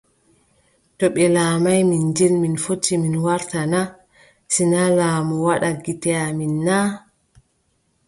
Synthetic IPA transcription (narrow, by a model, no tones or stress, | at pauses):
tɔɓɛlaːmajmind͡ʒɛlminfotʰːiminwaɾtana | sinalaːmɔwaɗaɡitɛaminːa